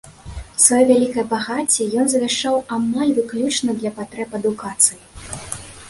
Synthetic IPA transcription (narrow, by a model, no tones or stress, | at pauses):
svajɔvʲalʲikɐjɐbaɣat͡sʲːɛjɔnzɐvʲaʂt͡ʂawamalʲvɨklʲut͡ʂnɐd̪lʲɐpat̪ɾɛpɐd̪ukat̪sɨji